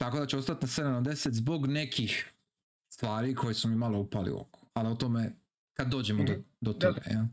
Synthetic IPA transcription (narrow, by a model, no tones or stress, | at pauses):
t̪ako̞d̪at͡ɕeost̪at̪nased̪anod̪e̞set̪zbo̞ɡne̞kʰix | sst̪ʋaːɾikʰo̞jesumimaloupalḭṵo̰ku̥aliot̪ome | kad̪ːo̞ːd͡ʑemod̪od̪ot̪oɡa̰ja